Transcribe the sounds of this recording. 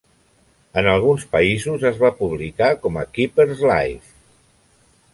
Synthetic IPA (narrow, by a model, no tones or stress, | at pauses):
ənəlˠɣ̞unspəizuzəzβapuβ̞likakɔməkipeɾzla̰jf